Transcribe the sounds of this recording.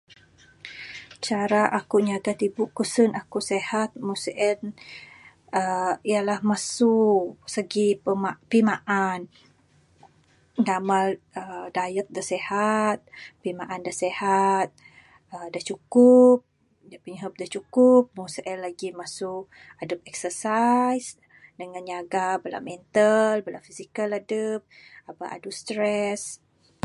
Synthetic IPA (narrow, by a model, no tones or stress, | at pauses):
t͡ʃaɾaʔakuʔɲaɡat̪ibuʔkusənakuʔsehat̪̚musəʔɛn | əijalahmasusəɡipəmapimaʔan | ɡamal | ədajək̚dahsehat̪̚pimaʔandahsehat̪̚ | ədaht͡ʃukʊp̚ | dapiŋɦəp̚daht͡ʃukʊp̚mosʔɛlːaɡimasʊk | adəp̚ɛksəsajs | dəŋanɲaɡabəla̰mɛnt̪albəla̰fisikaladəp̚abaʔa̰dust̪ɾɛs